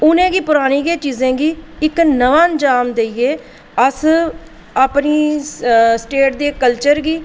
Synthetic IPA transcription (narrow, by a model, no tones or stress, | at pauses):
ʊnẽːɡiːpʊɾaːɽ̃iːɡeːt͡ʃiːzẽːɡiːɪknəʋãːnd͡ʒaːmd̪eieː | əs | aːpniː | sʈeːʈ̚d̪eːkəlt͡ʃəɾɡiː